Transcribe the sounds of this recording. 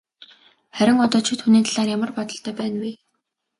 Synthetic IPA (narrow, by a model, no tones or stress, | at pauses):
χæɾʲɪ̆ŋɔt̪ɔːt͡ɕʰɪ̆t̪xuniːnt̪ʰaɮaːrjamə̆rpɔt̪ɞ̆ɬt̪œːpæːnwiː